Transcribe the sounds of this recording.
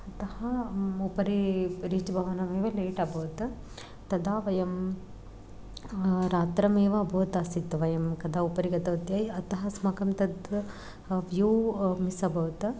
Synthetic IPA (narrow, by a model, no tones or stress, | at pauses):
ɐt̪ɐhɐupɐɾiɾiːd͡ʒbʱɐʋɐnɐmeːʋɐleːʈɐbʱɐːt̪ | t̪ɐd̪aːʋɐjɐm | ɾaːt̪ɾɐmeːʋɐːbʱɐːt̪aːsit̪ːʋɐjɐmkɐd̪aːupɐɾiɡɐt̪ɐʋɐt̪jaːjɐt̪ɐɦɐsmɐkɐmt̪ɐd̪ | ʋjuːmisɐbʱɐʋt̪